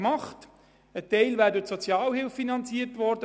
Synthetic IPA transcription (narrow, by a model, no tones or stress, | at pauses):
mɑχt | ətɛɪlvæːɾdʊtsɔt͡sjɑːlhɪlfːinɑnt͡siəɾtʋɔɾdə